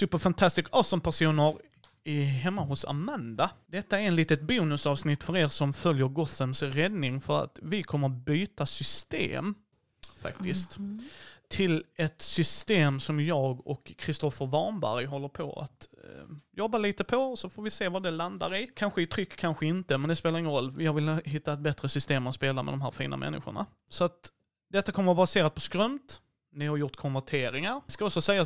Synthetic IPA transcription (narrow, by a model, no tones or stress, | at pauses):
t̪ʰyːpɑvfant̪ʰast̪ɪskɔsɔmpʰæʂuːnəɾ | ɪɦɛmːaɦʊsa̰mand̪ad̪ɛt̪ːaɛɾɛnliːt̪ət̪̚buːnɵsɑːvsnɪt̪ːfœɾeːɾsɔmfœljəɾɡɔθəmsɾɛd̪nɪŋfœɾa̰t̪vɪkʰɔmːəɾbyːt̪asʏst̪ḛːm | fa̰kt̪ɪskt̪ | t̪ʰɪlɛt̪sʏst̪eːmsɔmjɑːɡɔkʰːɾɪst̪ɔfəɾvɑnbæ̰ɾjɦɔlːəɾpʰɔ̰a̰t̪ | jɔbːaliːt̪əpʰɔsɔfoːɾvɪseːvad̪ɛland̪a̰ɾɪkʰanɧəɪt̪ʰɾʏkːʰanɧəɪnt̪əmɛnd̪ɛspeːlaɾɪŋːənɾɔlːvɪhavɪlɦɪt̪ːaɛt̪̚bɛt̪ɾəsʏst̪eːmt̪speːlamɛ̰d̪ɔmɦæ̰ːɾfḭːna̰mʔɛ̰nːɪ̰ɧʊ̰ɳa̰ | sɔat̪ | d̪ɛt̪ːakʰɔmːəɾɔbaseːɾat̪̚pʰɔskɾœmt̪ | nɪhaɾjʊt̪kʰɔnvæʈʰeːɾɪŋaɾskaɔksɔsɛjːa